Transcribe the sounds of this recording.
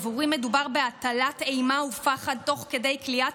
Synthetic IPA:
vuʁime̞dubaʁbeat̪alatejmaufaχad̪̚t̪o̞χke̞de̞jklia

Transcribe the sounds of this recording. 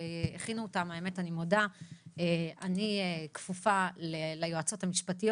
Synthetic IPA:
eχinuotamaeme̞tanimodaeanikfufalelajoat͡so̞thamiʃpatijo

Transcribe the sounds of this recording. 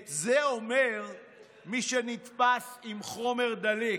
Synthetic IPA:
zeomeʁ | miʃenit̪pasimχo̞me̞ʁd̪ali

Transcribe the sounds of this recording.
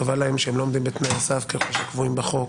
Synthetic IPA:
avalaemʃeemlo̞omd̪imbet̪najasafkeχoʃakvuimbeχo̞k

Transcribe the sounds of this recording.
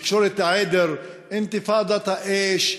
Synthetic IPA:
kʃoɾɪt̪ːaʕed̪ɪɾ | ʔɪnt̪ɪfɑːd̪ˤɑt̪aʔeːʃ

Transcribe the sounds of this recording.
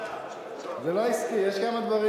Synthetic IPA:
zɛloiskijɛʃkamad̪vaʁi

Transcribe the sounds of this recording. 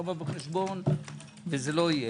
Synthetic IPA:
babeχeʃbon | vezeloije

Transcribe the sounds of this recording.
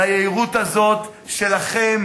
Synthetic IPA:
ajeiʁut̪azo̞t̪ʃe̞laχem

